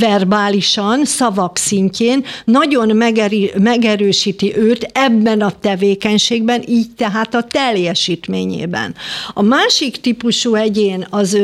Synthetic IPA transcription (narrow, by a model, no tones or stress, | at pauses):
vɛrbaːliʃɒnsɒvɒksiɲceːnːɒɟo̞nmɛɡmɛɡɛɾøːʃiːt̪iʔøːt̪ɛbːɛnɒt̪ɛveːkɛɲʃeːɡbɛnʔiːɟt̪ɛɦaːt̪ɒt̪ɛljɛʃiːt̪meːɲḛːbɛ̰nɒmaːʃikt̪ipuʃuɛɟeːnɒz